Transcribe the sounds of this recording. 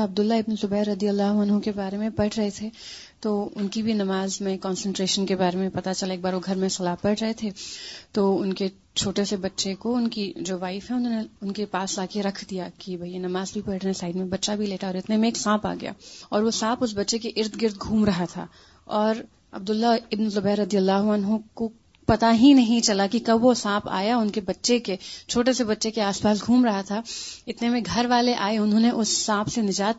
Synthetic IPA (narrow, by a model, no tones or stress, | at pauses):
ɐb̚d̪ʊlːaɪbnsʊbɛːɾɾːɐd̪ijəlːaɦuɐnɦõkebaːɾemẽpɐʈʰɾɐɦet̪ʰe | t̪oːʊnkibʱinɐmaːzmẽkɔːnsə̃ɳʈɾeːʃənkebaːɾemẽpɐt̪at͡ʃɐlaeːk̚baːɾʋoɡʱɐɾmẽsɐlaːɦpɐʈʰɾɐɦet̪ʰet̪oʊnke | t͡ʃʰoːʈesebɐtːʃekoʊnkid͡ʒoːʋaːɪfɦɛ̃ʊnɦõːneʊnkepaːslaːkeɾɐkʰd̪ijakibʱɐijenɐmaːzbʱipɐʈʰɾɐɦẽsaːɪd̪mẽbɐtːʃabʱileːʈʰaɔːɾɪt̪nemẽːksãːpa̰ːɡɐja̰ːɔːɾʋosãːpʊs̬bɐtːʃekeʔɪɾd̪ɡɪɾd̪̚ɡʱuːmɾɐɦat̪ʰa̰ː | ɔːɾ | ɐ̰b̚d̪ʊlːaɪbnzʊbɛːɾːɐd̪ijəlːaːɦuɐnɦõko | pɐt̪aɦĩnɐɦĩt͡ʃɐlakikɐbʋosãːpa̰ːjaʊnkebɐtːʃeket͡ʃʰoːʈesebɐtːʃekeaːspaːs̬ɡʱũːmɾɐɦat̪ʰaɪt̪nemẽɡʱɐɾʋaːleʔaːeʊnɦõːneʔʊsːãːpʰsenɪd͡ʒaːt̪̚